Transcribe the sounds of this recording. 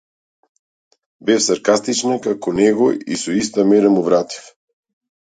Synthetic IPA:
bɛfsaɾkast̪it͡ʃnakakɔnɛɡɔḭsɔist̪amɛɾamuvɾat̪i̥f

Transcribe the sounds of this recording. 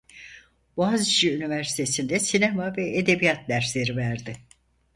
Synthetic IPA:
bazʃiynivæɾsi̥t̪ʰe̞sind̪ɛsinemavɛed̪e̞bijat̪̚d̪æɾslʲe̞ɾivæɾd̪ɪ

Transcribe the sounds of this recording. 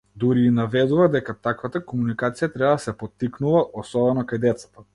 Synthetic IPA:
d̪uɾiːnavɛd̪uvad̪ɛkat̪akvat̪akomunikat̪sijat̪ɾɛbad̪asɛpɔt̪ːiknuvaʔɔsɔbɛnɔkajd̪ɛt̪sḁt̪a

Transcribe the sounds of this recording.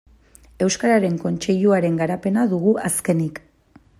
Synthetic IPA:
e̞wskaɾaɾe̞ŋko̞nt͡ʃe̞ʎuaɾe̞ŋɡaɾape̞naðuɣuʔaske̞nik

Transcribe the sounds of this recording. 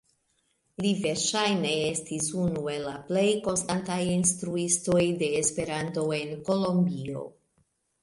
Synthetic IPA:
live̞ɾʃajne̞e̞stisunue̞lːaple̞jko̞nstantajinstɾuisto̞jde̞ːspe̞ɾanto̞e̞nko̞lo̞mbio̞̰

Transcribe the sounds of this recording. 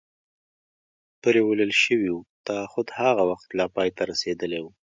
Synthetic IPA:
pəɾewələlʃəwiwut̪axʊd̪haɣawaxt̪lɑpɑjt̪aɾased̪əlewu

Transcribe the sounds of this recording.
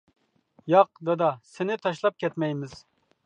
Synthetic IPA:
jɑq̚d̪ɑd̪ɑsɪnɪt̪ʰɑʃ̬lˠɑp̚kʲʰɛt̪mɛjmɪz̥

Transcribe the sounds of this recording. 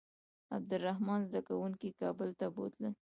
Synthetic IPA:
a̰b̚d̪ʊɾːaɦmɑnzd̪akawuŋkikɑbəlt̪abo̰t̪lə

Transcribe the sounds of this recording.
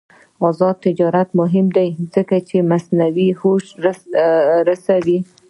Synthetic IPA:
ɑzɑd̪̚t̪ɪd͡ʒɑɾat̪mʊɦɪmd̪ajzəkat͡ʃemasnawihoʃ | ɾasawi

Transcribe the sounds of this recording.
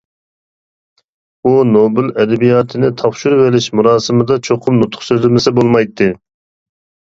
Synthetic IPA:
unobɪlɛd̪ɛbijɑːt̪ʰɨnɪt̪ʰɑfʃuɾvelɪʃmuɾɑːsɨmɨd̪ɑt͡ʃʰoqʰʊmnut̪ʰːʊ̥χsøzɪmɪsɪbolˠmɑjt̪ʰːɨ

